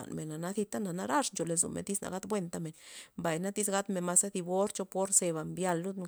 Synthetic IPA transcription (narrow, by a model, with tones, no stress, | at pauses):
nme˨nːa˨na˦θi˧t̪a˦na˨na˦ɾa˦ʂnt͡ʃo˨le˧˨zṵ˨mḛ˨t̪i˦sna̰˧˨ɡa˦t̪bwe˦˧nt̪a˧me˨nmba˨jna˦t̪i˦sɡa˦t̪me˨nma˧sa˦d̪i˧bo˦ɾt͡ʃo˧po˦ɾse˧βa˨mbja˧lːu˦